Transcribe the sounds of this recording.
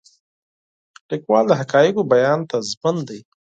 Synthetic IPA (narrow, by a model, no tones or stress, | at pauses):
likwɑld̪əɦakɑjɪɡobajɑnt̪azmənd̪aj